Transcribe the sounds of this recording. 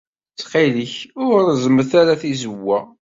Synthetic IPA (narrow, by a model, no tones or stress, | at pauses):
t͡sːqiliçʊɾzəməθæɾaθizəwːæ